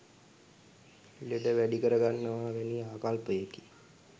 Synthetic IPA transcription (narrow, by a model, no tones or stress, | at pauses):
iləʈəʋæɖikəɾəɡanːəʋaːʋeniaːkalpəjeki̥